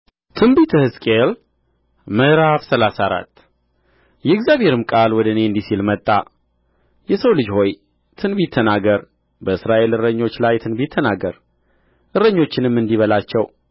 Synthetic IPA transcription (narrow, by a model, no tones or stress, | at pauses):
t̪ʰɨmbit̪ʰɨhɨskʼel | məɾaβsəlasaɾa̰t̪ː | jɛɨɡzjaβheɾɨmkʼalwɔd̪əɨne̞ɨnd̪isilmət̪ʼːa̰ | jɛsəwlɨd͡ʒho̞j | t̪ʰɨnbit̪ʰːənaɡəɾ | bəɨsɾaʔe̞lɨɾəɲːo̞t͡ʃːlajt̪ʰɨnbit̪ʰːənaɡəɾ | ʔɨɾːəɲːo̞t͡ʃːɪnɨmːɨnd̪iβəlat͡ʃːɛw